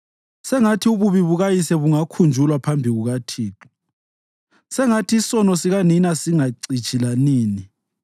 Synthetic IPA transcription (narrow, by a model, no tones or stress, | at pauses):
sɛŋatʰiuβuβiβuɣajisɛβuŋakʰund͡ʒʱulwapʰambʱiɣuɣatʰiːǁu̥ | sɛŋatʰiːsɔnɔsiɣaninasiŋaǀit͡ʃʰʼilaniːni